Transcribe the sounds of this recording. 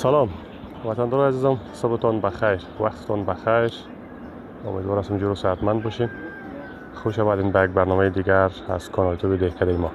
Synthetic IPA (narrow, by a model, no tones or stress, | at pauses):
salɔm | wat̪and̪ɔɾɔjazizɔmsobɪt̪ɔnbaxajɾwa̰qt̪ɪ̥t̪ɔnbaxajɾ | ʊ̰med̪wɔɾast̪ʊmd͡ʒuɾʊsaat̪mand̪̚bɔʃim | xoʃamad̪inbajaɡ̚baɾnɔmajd̪iɡaɾa̰z̥kʰɔnɔlt̪ʰobid̪ehkʰad̪ajimɔ